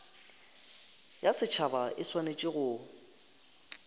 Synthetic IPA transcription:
jasɪt͡ʃʰabaʔɪswanet͡ʃʼɪɣʊː

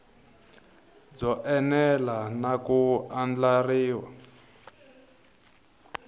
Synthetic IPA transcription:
d͡zɔʔɛnɛlanakuand͡ɮariːwa

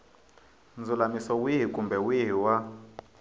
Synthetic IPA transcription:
nd͡zulamisɔwiɦikʼumbɛwiɦiwa

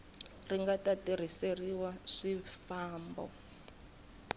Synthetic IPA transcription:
riŋɡatatiɾ̤iseriwaʂifaːmbɔ̰

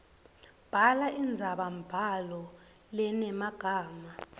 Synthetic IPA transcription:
b̥ʱalaʔind͡zʱaɓamb̥ʱalɔ | lɛnɛmaɡ̥ʱaːma

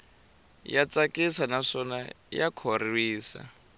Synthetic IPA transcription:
jat͡sakʼisanaʂɔna̰ | jakʰoriwiːsa̰

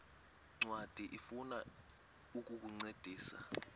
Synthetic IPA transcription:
ŋ͡ǀwad̥ʱiʔifuna | uk̬ʼuk̬uŋ͡ǀed̥ʱiːsa̰

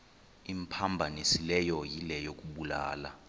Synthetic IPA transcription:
impʰambʱanisilɛjɔjilɛjok̬ʼuɓula̰ːla

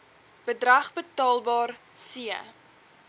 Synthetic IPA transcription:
b̥ədrɐχbətɑːlˠbɑːrsiə̰

